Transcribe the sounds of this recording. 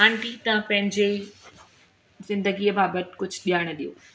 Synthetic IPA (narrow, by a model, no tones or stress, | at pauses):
aːɳʈit̪ɐãpɐ̃ɦɪ̃ɲd͡ʑe | zɪ̃nd̪əɡiːəbaːbət̪kʊd͡ʑʱɗijaːɽ̃ɗijoː